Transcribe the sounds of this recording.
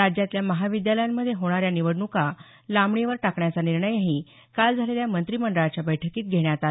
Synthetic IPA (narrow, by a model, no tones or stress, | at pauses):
ad͡ʑjat̪ljaməɦaʋid̪jaləjamːəd̪ʱːjeɦoɽ̃aɾjaniʋəɽɳuka | lamɳiʋəɾʈakɳjat͡saniɾɳəjɦi | kald͡zʱaleljamənt̪ɾiməɳɖəɭat͡ɕjabəjʈʰəkiːt̪̚ɡʱeɳjat̪a